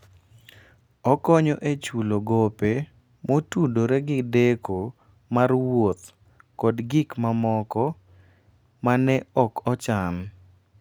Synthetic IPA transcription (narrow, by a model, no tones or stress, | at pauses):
ɔkɔɲɔʔet͡ʃuloɡope | motudoɾɛɡɪdekʰo | marwot̪ | kɔdɡɪkmamɔkɔ | manɛɔkɔt͡ʃam